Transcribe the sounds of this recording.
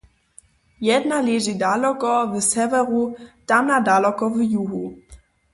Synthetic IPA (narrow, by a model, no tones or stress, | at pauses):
jɛdnalezidalɔkɔvəsɛvɛʁud̥amnadalɔkɔvijuɦu